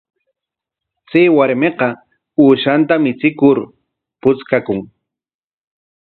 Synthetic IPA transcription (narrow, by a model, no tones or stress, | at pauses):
t͡seːwaɾmeqɑ | uːʃant̪amɪt͡sɪkʊɾ | pʊt͡skakʊŋ